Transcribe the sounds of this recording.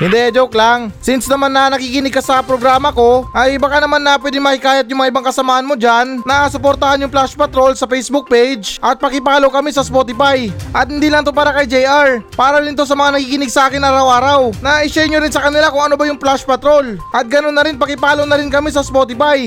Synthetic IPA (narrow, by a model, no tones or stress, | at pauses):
hɪnd̪ɛɐd͡ʒoklaŋsɪnsnɐmanːɐnɐkiːkɪnɪɡ̚kɐsɐpɾoɡɾaːmɐko̞ʔɐjbɐkanɐmanːɐpwɛd̪ɪŋmɐkɪkaːjɐt̪̚jʊŋmɐŋaɪbaŋkɐsɐmaːhɐnmod͡ʒanːɐʔaːsʊpoɾt̪ɐhanjʊŋplaʃpɐt̪ɾo̞lsɐpɛjsbʊk̚pejd͡ʒʔɐt̪̚pɐkɪpaːlowkɐmisɐspot̪ɪfajʔɐt̪̚hɪnd̪iːlɐŋt̪ʊpaɾakɐjd͡ʒɛjʔaɹpaːɾɐlɪnt̪os̬ɐmɐŋanɐkiːkɪnɪɡsɐʔaːkɪnʔaːɾɐwʔaːɾawnɐʔɪʃajɲoɾɪnsɐkɐnɪlakʊŋʔɐnobɐjʊŋplaʃpɐt̪ɾo̞lʔɐt̪̚ɡɐnonːɐɾɪnpɐkɪpaːlownɐɾɪnkɐmis̬ɐspoːt̪ɪfaj